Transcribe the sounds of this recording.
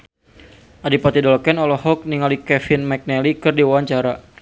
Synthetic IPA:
ʔadipat̪idɔlɔkɛnɔlɔhɦɔk̚niŋalikɛfɪnmɛk̚nɛlikɨrdiwaaɲt͡ʃaɾa

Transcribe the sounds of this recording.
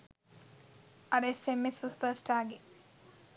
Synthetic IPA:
ɐɾesemesʋuspəːsʈaːɡe

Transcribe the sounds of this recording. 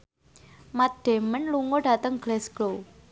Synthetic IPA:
mat̪̚d̥e̤mənluŋoɖ̥a̤t̪əŋɡ̥lɛsɡ̥lo

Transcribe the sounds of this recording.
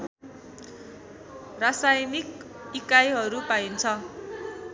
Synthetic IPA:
rasajnik | ikajɦʌɾupaint͡sʰʌ

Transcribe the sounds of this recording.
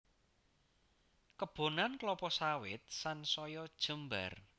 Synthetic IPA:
kəb̥o̤nanklɔpɔsawɪ̰t̪̚sansɔjɔd̥ʒ̥ə̤mba̰r

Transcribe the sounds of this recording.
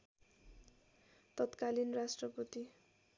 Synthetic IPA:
t̪ʌt̪kalinrasʈrʌpʌt̪i

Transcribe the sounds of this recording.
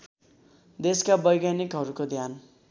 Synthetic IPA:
d̪eskabʌjɡanikɦʌɾukod̪ʱjan

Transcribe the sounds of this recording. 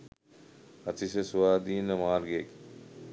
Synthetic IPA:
ɐt͡sisesuwaːd̪iːnɐmaːɾɡeːk

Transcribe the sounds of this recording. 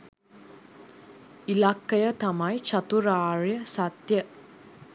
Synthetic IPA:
ilakːəjət̪amajt͡ʃat̪uɾaːɾjəsat̪jə

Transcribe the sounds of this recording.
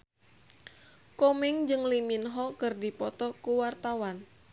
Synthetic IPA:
kɔmɛŋd͡ʒɨŋliminɦɔkɨrdipɔt̪ɔkuwart̪awan

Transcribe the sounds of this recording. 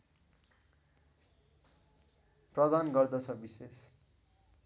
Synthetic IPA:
prʌd̪anɡʌrd̪ʌt͡sʰʌbises

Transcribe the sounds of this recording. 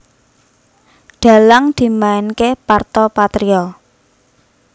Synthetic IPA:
ɖ̪̥ä̤laŋd̪̥i̤maɪnkepart̪ɔpat̪ɾiɔ

